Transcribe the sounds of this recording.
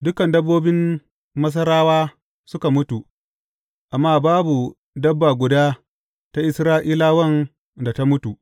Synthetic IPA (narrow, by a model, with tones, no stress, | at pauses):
dʊ˦kɐ˨ndɐ˦bːoː˦bɪ˦m | mɐ˦s̬ɐ˦ɾaː˦waː˦ | sʊ˦ka˨mʊ˦tu˨ | ʔa˨mːaː˦baː˦bu˨ | dɐ˦bːa˨ɡʷʊ˨daː˦ | ta˦ʔɪ˦sɾaː˦ʔiː˦laː˦wɐ˦n | da˨ta˦mʊ˦tu˨ʔ